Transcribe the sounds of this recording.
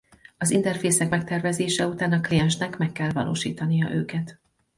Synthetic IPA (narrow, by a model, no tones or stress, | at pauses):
ɒzint̪ɛrfeːsɛkmɛk̚t̪ɛrvɛzeːʃɛut̪aːnɒklijɛnʃnɛkmɛkːɛlvɒ̰lʔo̰ːʃḭːt̪ɒnijɒ̰ʔøːkɛt̪